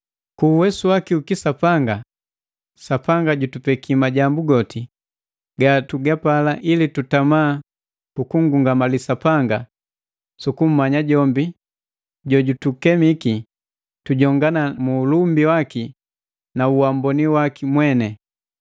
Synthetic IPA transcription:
kuːwɛsuwakiukisapaŋɡa | sapaŋɡaɟutupɛkʰimaɟambuɡɔti | ɡatuɡapalaʔilitutamaː | kukuŋ̩ɡuŋɡamalisapaŋɡa | sukum̩maɲaɟɔmbi | ɟɔɟutukɛmiki | tuɟɔŋɡanamuːlumbiwaki | nauwambɔniwakimwɛnɛ

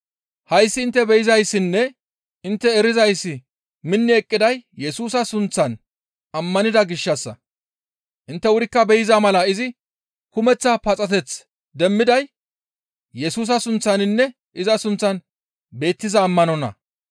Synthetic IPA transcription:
hɐjsːɪːnt̪ːɛbɛjɪzɐjsːɪnːɛ | ʔɪnt̪ːɛːɾɪzɐjsːɪ | mɪnːɪɛkʼːɪd̪ɐjjːɛsuːs̬ɐsʊnt͡sːɐn | ɐmːɐnɪd̪ɐɡɪʃːɐsːɐ̰ | ʔɪnt̪ːɛwʊɾɪkːɐbɛjɪzɐmɐlɐɪzɪ | kʊmɛt͡sːɐpɐt͡sʼɐt̪ɛt͡s | d̪ɛmːɪd̪ɐj | jɛsuːs̬ɐsʊnt͡sːɐnɪnːɛ | ʔɪzɐsʊnt͡sːɐn | be̞ːt̪ːɪzɐːmːɐnɔnɐ̰

